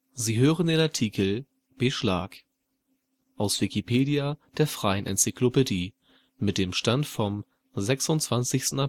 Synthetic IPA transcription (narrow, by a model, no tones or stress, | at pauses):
ziːɦøːʁəndeːnaɐtʰiːkʰl̩ | b̥eʃla̰ːk | ʔaʊsv̥ikipʰeːdiad̥eːɐfʁ̥aɪənʔɛ̰nt͡sɪklopediː | mɪt̚d̥eːmʃtantfɔm | zɛksʊntt͡sv̥ant͡sɪçstn̩a